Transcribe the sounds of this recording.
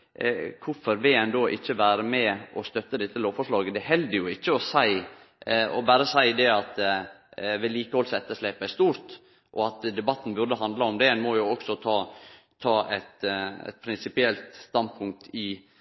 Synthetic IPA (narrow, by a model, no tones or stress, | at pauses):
kʰʊɾfɔɾʋɪɛnd̪oːʔɪçːəʋæːɾəmɛʔɔst̪œt̪ːəd̪ɛt̪ːəloːfɔʂɭɑːɡəd̪ɛɦɛld̪əɾjʊɪçːəɔsæɪ | ɔ̰bæːɾəsæɪd̪ɛɑt̪ | ʋɛliːkəhɔlsɛt̪ːəʂlɛːpæɾst̪uːɾt̪ | ʔɔ̰ɑt̪d̪ɛbɑt̪ːn̩bʉɾd̪əɦɑnd̪ləɔmd̪ɛɛnmɔjʊɔksɔt̪ʰɑː | t̪ʰɑːɛt̪ɛ̰t̪pʰɾɪnsɪpɪɛlt̪st̪ɑnd̪pʰʊŋk̚t̪ɪ